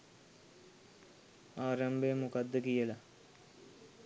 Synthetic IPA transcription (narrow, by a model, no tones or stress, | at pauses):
aːɾambəjəmukad̪ːəkijəla